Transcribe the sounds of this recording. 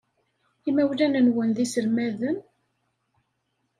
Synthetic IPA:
imæwlænənwənðisəɾmæðən

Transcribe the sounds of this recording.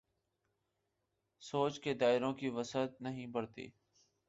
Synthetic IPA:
soːt͡ʃkeːd̪aːɪɾõːkiːʋəsət̪̚nəɦĩːbəɽt̪ḭː

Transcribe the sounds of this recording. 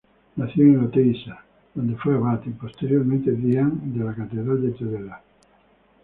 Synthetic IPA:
naθjoŋelot̪ejsa | ð̥ond̪efweaβat̪ipost̪eɾjoɾmẽnt̪eðiaŋd̪elakat̪eðɾald̪et̪eðela

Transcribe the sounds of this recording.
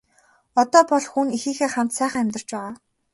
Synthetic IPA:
ɔt̪ɔːpɔɮxunixiːxeːχam̥t̪sæːχə̆ŋæmʲt̪ə̆r̥t͡ɕpæːʁaː

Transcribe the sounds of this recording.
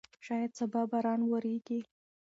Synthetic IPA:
ʃɑjad̪̚sabɑbaɾɑnwəɾeɡi

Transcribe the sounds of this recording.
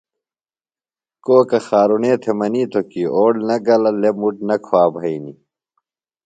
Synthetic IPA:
koːkɐxaːɾuneːt̪ʰemɐniːt̪ʰokiʔoːɽnɐɡɐlɐlemuʈnɐkʰoaːbʱɐini

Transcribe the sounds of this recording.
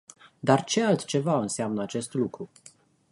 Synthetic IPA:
d̪art͡ʃe̞alt̪t͡ʃe̞vaɨnseamnəat͡ʃe̞st̪lukɾu

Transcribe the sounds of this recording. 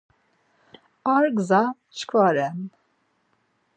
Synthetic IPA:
aɾɡza | t͡ʃkʰvaɾɛn

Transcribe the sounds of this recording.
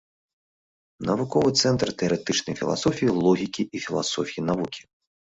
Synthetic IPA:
nɐvukɔvɨt̪sɛnt̪rt̪ɛɐɾɛt̪ɨt͡ʂnɐ̰jfʲilˠa̰sɔfʲijilˠɔɣʲikʲiʔifʲilˠa̰sɔfʲijinavukʲi̥

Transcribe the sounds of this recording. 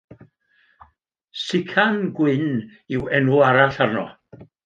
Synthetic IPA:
sɪkʰanɡwɪniwɛnuaɾaɬarnɔ̰

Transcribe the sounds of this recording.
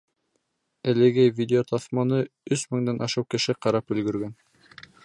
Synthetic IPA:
ælɘ̆ɡæjvʲidʲɪot̪ɑθmɑnɤ | ɵsmɘ̆ŋd̪ɑnʔɑʃɤwkɘ̆ʃɘqɑɾɑpɵ̆lɡɵ̆ɾɡæn

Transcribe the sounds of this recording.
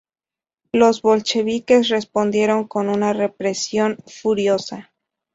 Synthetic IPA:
lo̞zβo̞lt͡ʃe̞βike̞sre̞spo̞nd̪je̞ɾo̞ŋko̞nunare̞pɾe̞sjo̞nfuɾjo̞sa

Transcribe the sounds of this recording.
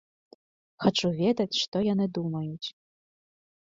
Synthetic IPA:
xat͡ʂuvʲɛd̪ɐt͡sʲʂt̪ɔjanɨd̪umɐjut͡sʲ

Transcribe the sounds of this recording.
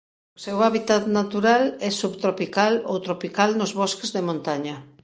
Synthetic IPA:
ʊsewaβit̪at̪nat̪uɾalɛsuβt̪ɾopikalo̰wt̪ɾopikalnozβɔskezðemõnt̪aɲɐ

